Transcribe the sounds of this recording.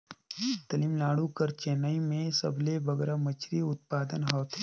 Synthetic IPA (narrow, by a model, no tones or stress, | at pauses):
t̪ɐlimlaːɽukəɾt͡ʃeːnaimẽsɐblebəɡɛːɾamət͡ʃʰɾiʊt̪̚paːd̪ənɦɔːt̪ʰː